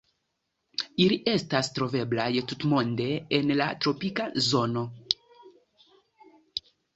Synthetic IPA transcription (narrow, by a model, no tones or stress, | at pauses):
iliʔe̞stastɾo̞ve̞blajtutmo̞nde̞ːnlatɾo̞pikazo̞no̞